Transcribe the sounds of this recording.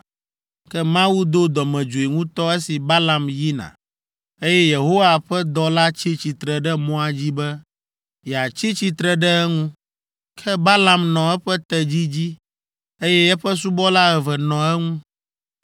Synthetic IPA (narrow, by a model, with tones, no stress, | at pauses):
kɛ˦mã˦wu˦d̪o˦d̪ɔ˨mɛ̃˨d͡ʒu˨i˨ŋũ˦t̪ɔ˦ɛ˦si˨ba˦la˨mji˦nã̰˨ | e˦jɛ˦je˨ɦo˦wa˨ɸɛ˦d̪ɔ˦la˦t͡ɕi˦t͡ɕi˨t̪ɾɛ˨ɖɛ˦mɔ̃˦a˨d͡ʑi˦bɛ˦ | jɛ˨a˨t͡ɕi˦t͡ɕi˨t̪ɾɛ˨ɖɛ˦ɛ˦ŋũ˦ | kʰɛ˦ba˦la˨mnɔ̃˨ɛ˦ɸɛ˦t̪ɛ˨d͡ʑi˦d͡ʑi˦ | e˦jɛ˦ɛ˦ɸɛ˦s̬u˦bɔ˦la˦ɛ˨vɛ˨nɔ̃˨ɛ˦ŋũ˦